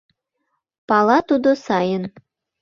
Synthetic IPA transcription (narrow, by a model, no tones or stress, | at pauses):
pɑlˠɑt̪ud̪osɑjən